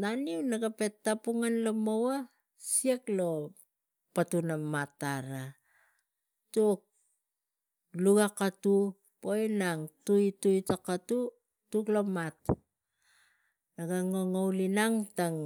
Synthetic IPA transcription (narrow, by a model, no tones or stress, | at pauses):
naniunaɡape̞tːapuŋanlomowa | sieklo̞ | patunamataɾa | tuk̚ | luɡakatu | po̞jnaŋtuitujtakatu | tuklo̞mat | naɡaŋoŋowlinaŋtaŋ